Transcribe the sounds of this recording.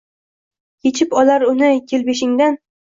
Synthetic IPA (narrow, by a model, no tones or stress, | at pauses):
kʲʰet͡ʃʰɪpɒlaɾʊnɪkʲʰelbeʃ̬ɪŋd̪an